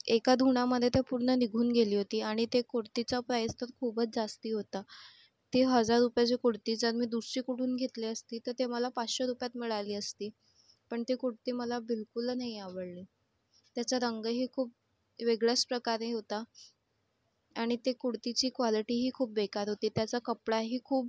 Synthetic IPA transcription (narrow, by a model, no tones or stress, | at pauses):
ekad̪ʱuɽ̃aməd̪ʱːjet̪japuɾɳəniɡʱuːnɡeliːɦot̪iːaɽ̃it̪ekoɽt̪it͡sapɾajəst̪əɾkʰuːbʱət͡sd͡zast̪iːɦot̪a | t̪eɦəd͡zaɾːupjat͡ɕekuɽt̪iːd͡zəɾmiːd̪usiːkoʈʰuːnɡʱet̪leəst̪iːt̪əɾt̪eməlapat͡sɕəɾupjat̪miɭaliːəst̪iː | pəɳt̪ekuɽt̪iːməlabilkulnaɦiaʋəɽliː | t̪jat͡saɾəŋɡəɦiːkʰuːp̚ | ʋeɡɭjaspɾəkaɾeɦot̪a | ɽ̃it̪ekuɽt̪it͡ɕiːkʋaliʈiːɦiːkʰuːpʋekaɾɦot̪iːt̪jat͡sakəpɽaɦiːkʰuːp